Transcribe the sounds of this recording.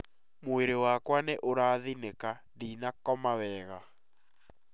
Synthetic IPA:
moeɾewakwaneʔoɾaːðineka | diːnakɔmawɛːɣa

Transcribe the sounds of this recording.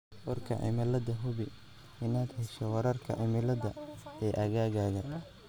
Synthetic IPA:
wɔrkʰɐ̰ʕɪ̰mɪlɐd̪ɐɦʊβɪ | ɪnaːd̪hɛʃɔwɐɾɐrkʰɐ̰ʕɪmɪlɐðɐɛːʔɐɣaːɣaːɣɐ

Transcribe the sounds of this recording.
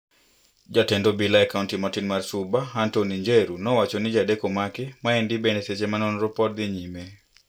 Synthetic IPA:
d͡ʒatɛndobilaɛkauntimɔtinmarsubaɦantoniɲd͡ʒeɾunɔwat͡ʃonɪd͡ʒadekomakɪmaɛndibeneset͡ʃemanɔnɾɔpɔtd̪ɪɲime

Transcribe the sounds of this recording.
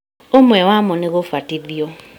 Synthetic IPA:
omwɛwamɔneɣofwatiðjɔ

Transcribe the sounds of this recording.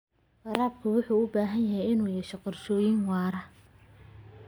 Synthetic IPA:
ʔɑɾaːb̚kʰʊwʊħuːʊbaːɦɐnjɐɦɛjɪnuːjɛʃɛqɔrʃɔːjɪŋwɑːɾɐ

